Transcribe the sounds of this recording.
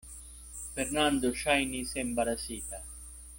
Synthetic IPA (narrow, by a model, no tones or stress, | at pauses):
feɾnand̪oʃajnisembaɾasiːt̪a